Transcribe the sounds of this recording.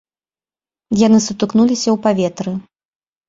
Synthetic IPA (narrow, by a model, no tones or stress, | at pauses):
janɨsut̪ɨknulʲisʲɐwpavʲɛt̪ɾɨ